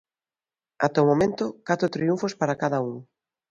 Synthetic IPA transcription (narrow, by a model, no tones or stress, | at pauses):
at̪omomẽnt̪okat̪ɾot̪ɾiuɱfospaɾakaðɐuŋ